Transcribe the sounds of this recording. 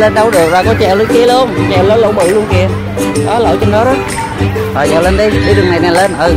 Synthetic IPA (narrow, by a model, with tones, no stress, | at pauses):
le˧nɗə˧wɗɨ˨˩ək̚vaː˨˩kɔ˨˦t͡ɕɛ˨˩wli˨˧˦ki˨˦ələ˨˦ənt͡ɕɛ˨˩wləː˨˧˦nlo̰˧˥wɓɨ̰˧˨lu˧ənki˧˩ə | ɗɔ˨˦lə̰ː˧˨˩jt͡ɕɔ˧ŋɗɔ˨˦ɾə˨˦˥t̚ | ha˨˩jza̰˧˩le˧˦nɗə˨˦jɗə˨˦ɗɨ˨˩əŋna˨˩jna˨˩jle˧nʔɨ˧˩